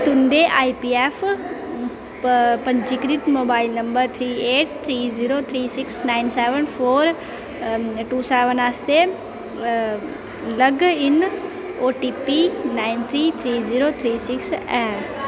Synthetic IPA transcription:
t̪ʊ̃nd̪eʔaːipiːeːf | pɐ̃ɲd͡ʒikɾit̪moːbaːɪlnɐ̃mbəɾt̪ʰɾiːeːʈ̚t̪ʰɾiːziːɾot̪ʰɾiːsɪksnaːɪnseːʋənfʰoːɾ | ʈuːseːʋənaːst̪e | lɐɡɪn | oːʈiːpinaːɪnt̪ʰɾiːt̪ʰɾiːziːɾoːt̪ʰɾiːsɪksɛː

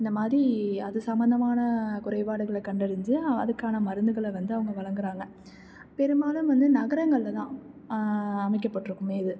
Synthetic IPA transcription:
ɪnd̪ɐmaːd̪ɾiɐðɯsɐmbɐnd̪ɐmaːnɐkʊɾɐɪʋaːɽɯɣɐɭɐkɐɳɖɐɽɯɲd͡ʒɯɐ̰ðɯkːaːnɐmɐɾɯnd̪ɯɣɐɭʋɐnd̪ɯɐʋɐŋɡɐʋɐɭɐŋɡɯɾaːŋɡɐ | pɛɾɯmaːlɯmʋɐnd̪ɯnɐɣɐɾɐŋɡɐɭlɐt̪ãː | ɐmɐɪkːɐpːɐʈːɯɾɯkːɯmeːɪðɯ

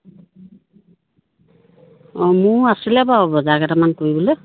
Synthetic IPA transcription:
ɔmuasilɛbaɦɔbɔzaɡatamankojbɔlɛ

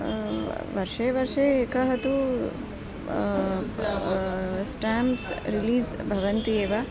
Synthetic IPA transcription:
ʋɐɾʂeʋɐɾʂeeːkɐɦɐt̪u | sʈaːmsɾiliːsbʱɐʋɐnt̪ieːʋa

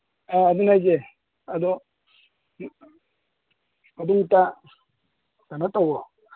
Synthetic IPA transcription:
aadunad͡ʒɛ | adɔ | aduŋta | tanatɔɡɔ

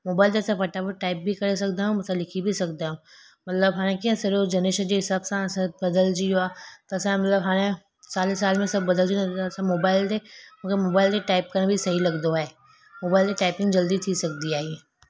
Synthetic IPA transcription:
moːbaːɪld̪ɛːsapʰɐʈabəʈaːɪp̚bʱikɐɾes̬ɐkd̪aɦũmɐt̪salɪkʰibʱisɐkd̪aɦũː | mɐt̪ləbɦanẽkiãsɪɾod͡ʒɐneːʃad͡ʒesɐbsãsɐbɐd̪əld͡ʒioaːt̪ɐːsãmɐt̪ləbɦaːnẽ | saːlesaːlmẽsɐbːɐd̪əld͡ʒĩɛsamoːbaːɪld̪emɐɡəɾmoːbaːɪlt̪eʈaːɪp̚kɐnãbʱisɐɦilɐɡd̪oɦɛː | moːbaːɪlt̪eʈaːɪpɪ̃ŋɡd͡ʒɐld̪it̪ʰisɐk̚d̪iaːɦie

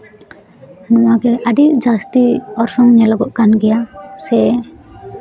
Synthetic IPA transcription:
nuaɡɛʔaɖiʔd͡ʒast̪iɔɾsɔŋɲɛlaɡɔʔkanɡɛjasɛ

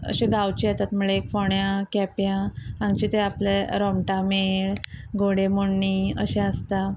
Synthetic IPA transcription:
ə̰ɕẽɡawt͡ɕiat̪at̪muɭeekfɔɳjãkɛpjããŋɡt͡ɕit̪eapleɾɔmʈameɭɡoɽemoɳːiːə̰ɕẽəst̪a

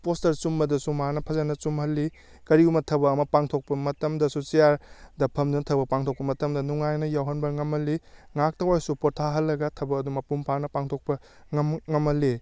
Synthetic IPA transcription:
postɐɾt͡ʃumbɐdɐsumaanɐpʰɐzanɐt͡ʃumhɐlːi | kɐɾiumɐtʰɐbɐːmɐpaŋtʰok̚pɐmɐtɐmdɐsut͡ʃijaɾdɐpʰɐmdunɐtʰɐbɐpaŋtʰok̚pɐmɐtɐmdɐnuŋajnɐjawɦɐnbɐŋɐmɐlːiŋak̚tɐwajsupotʰaɦɐlːɐɡɐtʰɐbɐːdumɐpumpʰaɾnɐpaŋtʰok̚pɐ | ŋɐmŋɐmɐlːi

